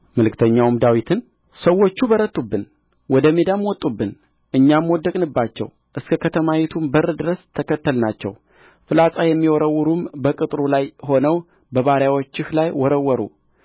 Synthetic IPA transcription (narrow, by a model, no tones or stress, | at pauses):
məlɨkt̪ʰəɲːawmd̪awit̪ʰɨn | səwːo̞t͡ʃːubəɾət̪ʼːubːɨn | wɔd̪əme̞d̪amwɔt̪ʼːubːɨn | ʔɨɲːamwɔd̪ːəkʼnɨbːat͡ʃːɛ̰w | ʔɨskʰəkʰət̪ʰəmawɛt̪ʰumbərːɨd̪ɨɾəst̪ʰəkʰət̪ːəlnat͡ʃːɛ̰w | fɨlasʼajɛmːiwɔɾəwːɨɾumbəkʼɨt̪ʼɾulajɦo̞nəw | bəβaɾjawot͡ʃːɪhlajwɔɾəwːɔɾṵ